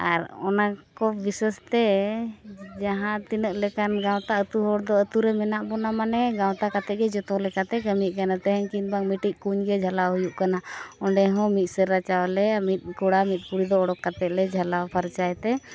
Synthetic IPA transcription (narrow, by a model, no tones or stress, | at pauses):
a̰ɾɔnakɔbisəst̪ɛ | d͡ʒaɦãt̪inəʔlɛkanɡãw̃t̪aət̪uɦɔɽd̪ɔət̪uɾɛmɛnaʔbɔnamanɛɡawt̪akat̪ɛt̪̚ɡɛd͡ʒɔt̪ɔlɛkat̪ɛkəmiʔ̚kanat̪ɛɦɛŋkinbaŋmiʈiʔ̚kuɲɡɛd͡ʒʱalaɦujuʔkanaɔɳɖɛɦɔ̃mit̪̚ˀsəɾːat͡ʃawlɛamit̪̚ˀkɔɽamit̪̚kuɽid̪ɔːɽɔkːat̪ɛt̪̚lɛd͡ʒʱalapʰaɾt͡ʃajt̪ɛ